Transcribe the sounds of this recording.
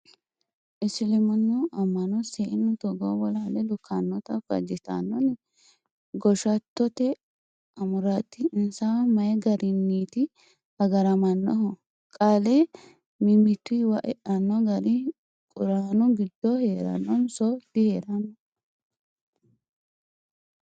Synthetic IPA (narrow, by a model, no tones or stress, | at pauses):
ʔɪsɪlɪmɐnːɔʔɐmːɐnɔseːʔɪnːʊt̪ɔɡo̰ːbɔlalɛlʊkʰːanːɔt̪ɐfɐ̰d͡ʒɪt̪a̰nːɔnɛ | ɡɔʃɐt̪ːɔt̪ɛ | ɐmʊɾat̪ːɪɪnsamɐjɛɡɐɾɪnːiːt̪ɪ | ɐɡɐɾɐmɐnːɔ̰ɦɔ | kʼaːle | mɪmɪt̪ːiwɐʔɛʔɐnːɔɡɐɾɪ | kʼʊɾaːnʊɡɪd̪ːɔheːɾɐ̰nːɔnsɔd̪ɪheːɾɐnːɔ